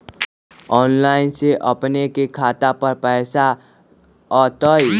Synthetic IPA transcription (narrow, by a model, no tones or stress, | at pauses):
ɔːnlaːɪnseʔəpnekekʰaːt̪apəɾpɛːsa | ɔt̪əj